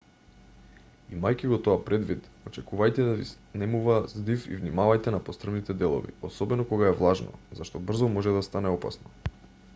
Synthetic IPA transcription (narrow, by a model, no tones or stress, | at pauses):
imajciɡɔt̪oapɾɛd̪vit̪ot͡ʃɛkuvajt̪ɛd̪avis | nɛmuvazd̪ifḭvnimavajt̪ɛnapost̪r̩əvnit̪ɛd̪ɛlˠo̰vḭosɔbɛnɔkoɡaɛvlˠaʒnɔ̰zaʃt̪ɔbr̩zɔmɔʒɛd̪ast̪anɛɔpa̰snɔ